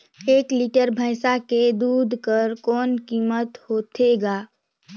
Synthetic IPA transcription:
eːkliːʈəɾbʱəɪsaked̪uːd̪ʱkəɾkɔːnkiːmət̪hoːt̪ʰeɡaː

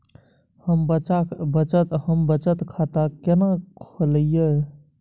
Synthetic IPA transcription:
həmbəabət͡ʃət̪ɦəmbət͡ʃət̪kʰat̪akenakʰoləjə

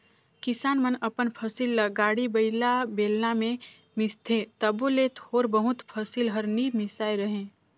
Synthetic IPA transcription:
kɪsaːnmənəpənpʰəsilːəɡaːɽibəɪlabeːlnamẽ | mɪst̪ʰẽt̪əbulet̪hoːɾbəɦʊt̪pʰəsilɦəɾniːd̪mɪsaːiɾəɦẽː

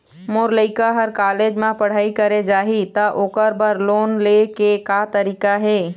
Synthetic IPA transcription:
moɾləɪkaɦəɾkaːled͡ʒmãpəɽ̤aːikəɾed͡ʒaːɦit̪əʔoːkəɾbəɾloːnlekekat̪əɾiːkaɦeː

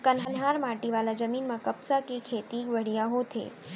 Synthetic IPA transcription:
kənɦənɦaɾmaʈiʋalad͡ʒəminmãkəpsakikʰet̪iʋəɽ̤ijaɦot̪ʰḛ

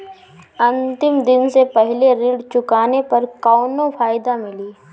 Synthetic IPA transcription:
ɐ̃nt̪ɪmd̪ɪnsepɛɦleɾiːɖt͡ʃʊkaːnepɐɾkɔːnõfʰaːɪd̪amɪliː

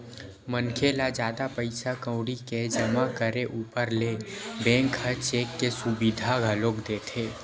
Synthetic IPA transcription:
mənkʰelad͡ʒjaːd̪apəɪsakə̃ʊɽiked͡ʒəmakəɾeʔuːpəɾlebɛ̃ːŋkhət͡ʃeːkːesʊbɪd̪ʱaɡʱəloːkd̪eːt̪ʰeː

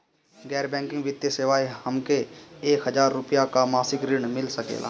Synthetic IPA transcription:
ɡɛːɾbɛ̃ːŋkɪ̃ŋɡʋɪt̪jeseʋaːihəmkeeːkɦəzaːɾːʊpijakamaːsɪkɾɪɽmɪlsəkḛːla̰ː

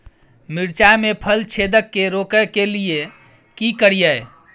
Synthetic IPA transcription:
miɾt͡ʃajmepʰəlt͡ʃʰed̪əkːeɾokəkelie | kikəɾijə

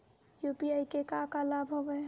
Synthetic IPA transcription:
jupiajkekakalabʱɦobɛ

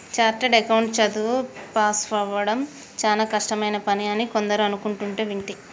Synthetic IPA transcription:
t͡ʃaːɾʈɐɖekɐwɳʈt͡ʃɐd̪upaːsʋɐʋɐɽɐm | t͡ʃaːlaːkɐʂʈɐmɐjnɐpɐnijaːnːiko̞nd̪ɐɾuɐnukuɳʈuɳʈeːʋiɳʈi

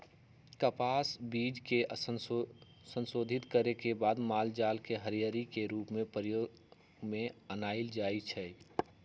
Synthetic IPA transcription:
kəpaːsbiːd͡ʒkeʔ | sə̃nsoːd̪ʱɪt̪kəɾekebaːd̪maːld͡ʒaːlkeɦəɾijəɾikeɾuːpmẽpəɾjoː | ɡmẽənaːɪld͡ʒaːit͡ʃʰɛ

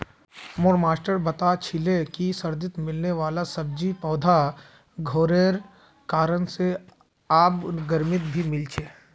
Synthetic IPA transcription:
moːɽmaːsʈəɾbɐt̪at͡ʃʰɪlekisəɾd̪ɪt̪mɪlneʋaːlasɐb̚d͡ʒipɔːd̪ʱa | ɡʱoːɾeːɾ | kaːɾənse | aːpɡɐɾmɪt̪̚bʱimɪlt͡ʃʰeː

